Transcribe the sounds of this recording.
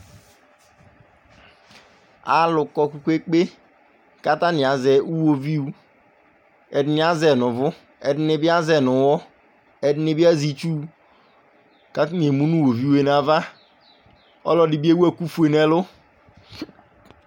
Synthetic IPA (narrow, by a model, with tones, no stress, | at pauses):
a̰˨lʊ˨kɔ˨ku˨kʷe˦k͡pe˦ | ka˦ta˦ni˨a˨zɛ˨u˦wo˦vi˦u˦ | ɛ˨di˨˦ni˨˦a˦zɛ˨nʊ˨vʊ˦ | ɛ˨di˦ne˨˦bi˦a˦zɛ˨nʊ˨˦wɔ˦ | ɛ˨di˦ne˦bi˦a˦zi˦˨t͡ʃu˦ | ka˦ti˦n˨e˨mu˦nu˦wo˨vi˦u˦e˦n˦a˨va˦ | ɔ̰˦lɔ˨di˨bi˦e˦we˦˨ku˦fu˦e˨nɛ˦lʊ˦